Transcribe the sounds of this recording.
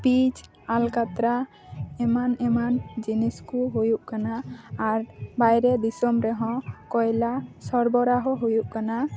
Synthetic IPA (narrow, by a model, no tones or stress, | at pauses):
pid͡ʒ | alkat̪ɾa | ɛmanɛmand͡ʒiniskuɦujuʔkanaːɾbajɾɛd̪isɔmɾɛɦɔ̃kɔjlasɔɾbɔɾaɦɔɦujuʔkana